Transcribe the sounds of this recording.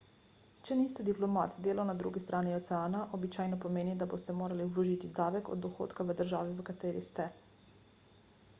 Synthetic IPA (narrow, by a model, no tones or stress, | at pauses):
t͡ʃɛniːst̪ɛd̪iplɔma̰ːt̪d̪eːlawnad̪ɾṵːɡist̪ɾʔaːniɔt̪sɛaːnaʔɔbit͡ʃaːjnɔpɔmeːnid̪aboːst̪ɛmoːɾaliulɔʒit̪id̪aːʋɛkɔ̰d̪dːɔxo̰ːt̪kaʋəd̪əɾʒaːʋiʋəkat̪eːɾist̪ɛ